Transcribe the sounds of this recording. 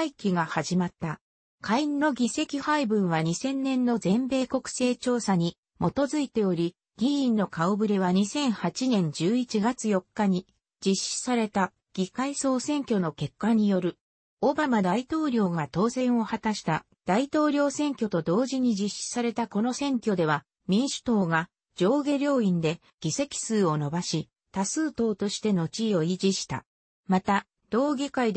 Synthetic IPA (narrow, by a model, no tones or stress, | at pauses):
ikʲiɡahaʑimat̪ːa | kainːo̞ɡʲise̞kʲihaibɯ̟̃ɰ̃βaɲ̟isẽ̞nːẽ̞nːo̞zẽ̞mbe̞ːko̞kɯ̟̥se̞ːt͡ɕo̞ːsaɲ̟i | mʔo̞t̪o̞zɨit̪e̞o̞ɾʲi | ɡ̥ʲiĩnːo̞kaobɯ̟ɾe̞βaɲ̟isẽ̞ɰ̃hat͡ɕinẽ̞ɲ̟d͡ʑɨːit͡ɕiɡat͡sɨjo̞kːaɲ̟i | d͡ʑiɕi̥saɾe̞t̪a | ɡ̥ʲikaiso̞ːsẽ̞ŋkʲo̞no̞ke̞kːaɲ̟ijo̞ɾɯ̟ | o̞bamad̪ait̪o̞ːɾʲo̞ːɡat̪o̞ːsẽ̞ɰ̃o̞hat̪aɕi̥t̪a | d̪̥ait̪o̞ːɾʲo̞ːsẽ̞ŋkʲo̞t̪o̞d̪o̞ːʑiɲ̟id͡ʑiɕːi̥saɾe̞t̪ako̞no̞sẽ̞ŋkʲo̞d̪e̞β̞a | mʲĩɰ̃ɕi̥t̪o̞ːɡa | d͡ʑo̞ːɡe̞ɾʲo̞ːĩnd̪e̞ | ɡ̥ʲise̞kʲi̥sɨːo̞no̞baɕi | t̪asɨːt̪o̞ːt̪o̞ɕi̥t̪e̞no̞t͡ɕio̞id͡ʑiɕi̥t̪a̰ | mat̪a | d̪̥o̞ːɡʲikaid̪